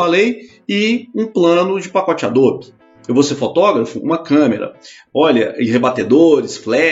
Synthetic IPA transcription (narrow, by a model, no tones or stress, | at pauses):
alej | ɪũplɐ̃nʊd͡ʒɪpakɔt͡ʃad̪oɾp | ewvowseɾfot̪ɔɡɾɐfʊṵ̃mɐkɐ̃meɾɐ̰ | ɔʎɐʔĩhebat̪ed̪oɾɪsflɛ